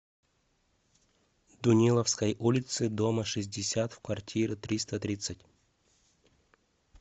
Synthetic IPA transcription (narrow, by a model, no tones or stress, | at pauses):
d̪ʊnʲilˠəfskəjʔulʲɪt̪sɨd̪oməʂɨzʲdʲɪsʲat̪fkvɐrtʲʰiɾɪt̪ɾʲist̪ət̪ɾʲit̪sɨtʲ